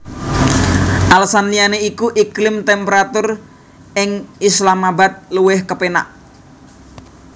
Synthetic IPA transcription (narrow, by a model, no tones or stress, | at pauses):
ʔalsanlijaneikuʔiklɪmt̪ɛmpeɾat̪ʊr | ɪŋislamabat̪̚luwɪhkəpena̰ʔ